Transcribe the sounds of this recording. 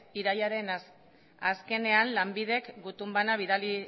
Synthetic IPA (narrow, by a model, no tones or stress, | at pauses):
iɾajaɾe̞n | aske̞ne̞anlambiðe̞kɡut̪umbanaβ̞iðali